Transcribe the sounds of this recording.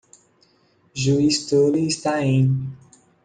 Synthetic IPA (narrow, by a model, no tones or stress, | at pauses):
ʒuist̪oliːst̪aẽ